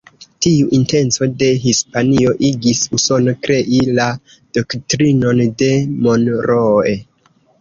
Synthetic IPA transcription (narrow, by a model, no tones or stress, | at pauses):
tiuʔinte̞nt͡so̞de̞ɦispanio̞ʔiɡisuso̞no̞kɾe̞ʔila | d̥oktɾino̞nde̞mo̞nɾoe